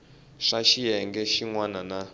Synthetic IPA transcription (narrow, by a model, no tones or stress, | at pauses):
ʂaʃijɛŋɡɛʃiŋwanana